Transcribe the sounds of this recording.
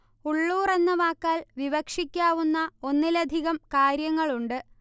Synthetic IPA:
uɭːuːre̞nːɐʋaːkːaːlʋiʋɐkʂikʲːaːʋunːɐo̞nːilɐd̪ʱiɣɐmkaːɾjɐŋːɐɭuɳɖɨ

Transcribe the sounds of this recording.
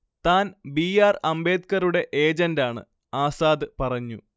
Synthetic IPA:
t̪aːnbiaːrɐmbe̞ːd̪kɐruɽe̞ʔe̞ːd͡ʑɐndaːɳɨ̰ | aːsaːd̪ɨpɐrɐɲːu

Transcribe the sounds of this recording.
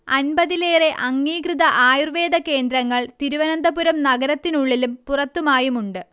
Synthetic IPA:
ɐnbɐðileːre̞ʔɐŋːiːkrɨðɐʔaːjurʋe̞ːd̪ɐke̞ːnd̪ɾɐŋːɐɭt̪iɾuʋɐnɐnd̪ʱɐpuɾɐmnɐɡɐɾɐt̪ːinuɭːilumpurɐt̪ːumaːjumuɳɖɨ

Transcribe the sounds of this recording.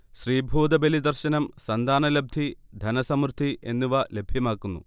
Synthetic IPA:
ɕriːbʱuːd̪ɐbelid̪ɐrɕɐnɐmsɐnd̪ʱaːnɐlɐb̚d̪ʱid̪ʱɐnɐsɐmrd̪ʱiʔe̞nːuʋɐle̞bʱjɐmaːkːunːṵ

